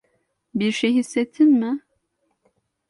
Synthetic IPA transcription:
biɾʃejhisːet̪ʰːinmɪ

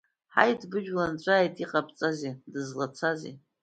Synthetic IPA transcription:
ħa̰jdbɨʒᶣlant͡ɕʷʼaːjtʼiqʼapʰʼt͡sʼazedɨzlat͡sʷʰazḭ

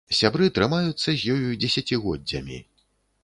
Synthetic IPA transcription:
sʲabɾɨt̪ɾɨmajut̪sːɐzʲjɔjud͡zʲɛsʲat͡sʲiɣɔdd͡zʲɐ̰mʲḭ

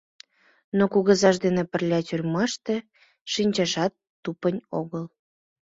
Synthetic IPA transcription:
nokuɣəzɑʃd̪enepə̆rlʲɑtʲyrʲmɑʃt̪e | ʃinʲt͡ɕɑʃɑt̪ːupənʲoɣəl

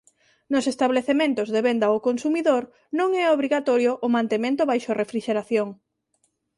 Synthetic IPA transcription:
nʊsest̪aβleθemẽnt̪ʊzðeβend̪aokonsumiðoɾ | nõŋɛoβɾiɣat̪ɔɾjoʔːmãnt̪emẽnt̪ʊβajʃorefɾiʃeɾaθjoŋ

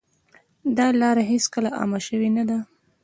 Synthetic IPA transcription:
d̪ɑlɑɾaɦeskəlaʔɑ̰maʃəwenad̪a

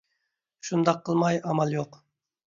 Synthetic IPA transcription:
ʃund̪ɑqʰːəlˠmɑjɑmɑlˠjoq

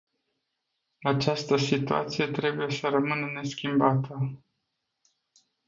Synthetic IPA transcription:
at͡ʃast̪əsit̪ua̰t̪sije̞t̪ɾe̞buje̞səɾəmɨnəne̞skʲimbat̪ʰə

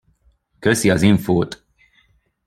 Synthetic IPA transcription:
køsiɒziɱfoːt̪

